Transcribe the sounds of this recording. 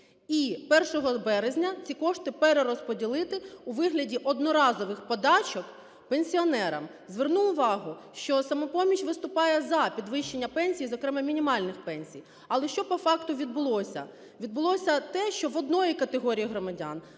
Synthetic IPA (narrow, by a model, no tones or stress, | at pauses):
ipɛrʃɔɦɔbɛɾezʲnʲɐt͡sʲikɔʃt̪ɪpeɾeɾɔspɔdʲilˠɪt̪ɪuʋɪɦlʲɐdʲiʔɔd̪nɔɾɑzɔʋɪxpɔd̪ɑt͡ʃɔk | penʲsʲiɔnɛɾɐ̰m | zʋernuʊʋɑɦʊʃt͡ʃɔsɐmɔpɔmʲit͡ʃʲʋɪst̪ʊpɑjɛzɐpʲid̪ʋɪʃt͡ʃːenʲːɐpɛnʲsʲijizɔkɾɛmɛmʲinʲimɑlʲnɪxpɛnʲsʲij | ɐlˠɛʃt͡ʃɔpɔfɑkt̪ʊʋʲid̪̚bʊlˠɔsʲɐ̰ | ʋʲid̪bʊlˠɔsʲɐt̪ɛʃt͡ʃɔʋɔd̪nɔjikɐt̪eɦɔɾʲijiɦɾɔmɐdʲa̰n